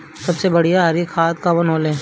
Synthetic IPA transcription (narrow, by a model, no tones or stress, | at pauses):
sɐbsebɐɽ̤ijaɦɐɾikʰaːt̪̚kabɐnɦoːlẽː